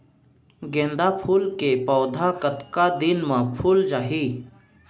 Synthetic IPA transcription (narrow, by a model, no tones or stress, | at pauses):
ɡẽːnd̪apʰuːlkepɔːd̪ʱakət̪kad̪ɪnmãpʰuːld͡ʒaːɦiː